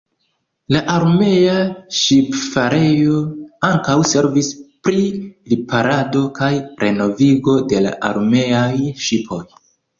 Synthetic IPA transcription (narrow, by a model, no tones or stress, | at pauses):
laʔaɾme̞aʃipfaɾe̞jo̞aŋkawse̞ɾvispɾilipaɾado̞kajɾʔe̞no̞viɡo̞de̞la̰ʔa̰ɾme̞ajʃipʰo̞j